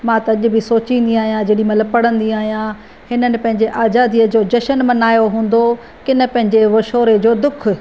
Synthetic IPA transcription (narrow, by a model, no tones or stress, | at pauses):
mãt̪ɐɐʄʊ̆bɪsoːt͡ɕĩːnd̪iaːɦijãd͡ʑeːɽimɐ̃ləbpɐɽə̃nd̪iaːɦijã | hɪnənɪ̆pɐ̃ɦɪ̃ɲd͡ʑeʔaːzaːd̪iəd͡ʑoːd͡ʑɐʃənmɐnaːjoɦũːn̆d̪o | kɪnə̆pɐ̃ɦɪ̃ɲd͡ʑeʋɐʃoːɾed͡ʑoːd̪ʊk̆ʰ